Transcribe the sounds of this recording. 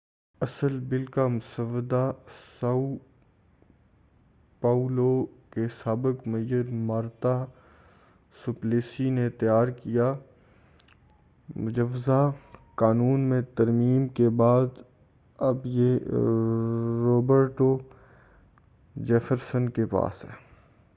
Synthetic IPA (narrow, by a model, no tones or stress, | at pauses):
ɐsəlbɪlkamʊsəʋəd̪asau | paːulokesaːbɪkmɐjəɾmaːɾt̪a | sʊpleːsinet̪əjaːɾkijaː | mʊd͡ʒəʋzakaːnuːnmẽt̪ɐɾmiːmkebaːd̪ | ɐbje | ɾoːbəɾʈo | d͡ʒɛːfəɾsənkepa̰ːsɦɛ̰ː